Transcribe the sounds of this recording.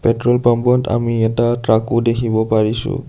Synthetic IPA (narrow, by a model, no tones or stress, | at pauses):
pɛtɹɔlpambɔta̰miɛtatɹakudekʰibɔpaɹisʊ̰